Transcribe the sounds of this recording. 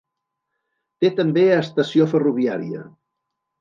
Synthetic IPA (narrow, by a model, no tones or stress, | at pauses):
t̪et̪əmbeəst̪əsiofəruβ̞iaɾiə̰